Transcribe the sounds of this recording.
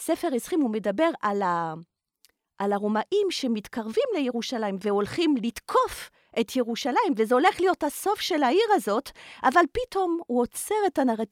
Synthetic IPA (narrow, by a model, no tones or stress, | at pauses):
sefeʁisχimhume̞dabe̞ʁala | ʔalaʁomaʔimʃe̞mitkaʁvimlejeʁuʃalaimve̞o̞lχimlitkʰo̞f | ʔetjeʁuʃalaimvezeo̞le̞χlijothaso̞fʃe̞laiʁazo̞tʔavalpito̞mhuot͡seʁetanaʁa